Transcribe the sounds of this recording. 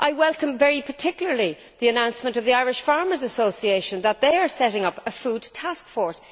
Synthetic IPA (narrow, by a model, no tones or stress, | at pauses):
ʔaɪwɛlˠkə̃ɱvɛɹipʰə˞tʰɪkjl̩ˠə˞li | ðiɨnãʊ̃nsmə̃ntʌvðiaɪɹɪʃfɑɹmə˞zəsoʊsieɪʃə̃nðət̪̚ðeɪə˞sɛɾɪ̃ŋʌpəfuːdtʰaskfɔɹs